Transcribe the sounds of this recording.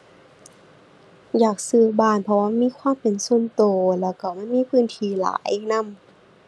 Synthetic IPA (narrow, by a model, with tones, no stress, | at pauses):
jaː˨˩k̚sɯː˧˩baː˧˩˨npʰɔ˧waː˧˥˨miː˧˥˨kʰwaː˧˥˨mpe˨nso˧˥˨nt̪oː˨˩lɛː˧˩wka˧˩ma˧˥˨nmiː˧˥˨pʰɯː˧˥˨nt̪ʰiː˧˩la̰ː˨˦jna˧˥˨m